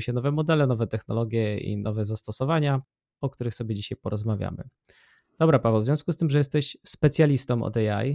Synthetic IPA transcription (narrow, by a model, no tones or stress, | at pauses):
ɕɛnɔvɛmɔd̪ɛlɛnɔvɛt̪ɛxnɔlɔɡʲjɛḭnʔɔvɛzast̪ɔsɔvaɲa | ɔk̚t̪uɾɘxsɔbʲɛd͡ʑiɕajpɔɾɔzmavʲja̰mɘ̰ | d̪ɔbɾapavɛwvzʲjɔ̃w̃skust̪ɘmʐɛjɛst̪ɛɕspɛt̪sʲjalʲist̪ɔmʔɔ̰d̪ɛa̰j